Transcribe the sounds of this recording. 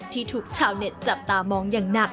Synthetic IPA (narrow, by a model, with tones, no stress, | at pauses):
t̪ʰiː˥˩t̪ʰuː˧˩k̚t͡ɕʰaː˨˩wne˨˦˩t̪̚t͡ɕa˨˩p̚t̪aː˧mɔː˨˦˥ŋjaː˨˩ŋna˨˩